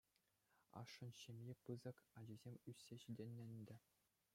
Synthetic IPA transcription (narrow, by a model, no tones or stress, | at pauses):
ɑ̰ʂːɤ̆nɕɘ̆mʲjepɯzɤ̆kɑd͡ʑizʲemʲysʲːeɕidʲĕnʲːɘ̆nʲd̪ʲɘ̆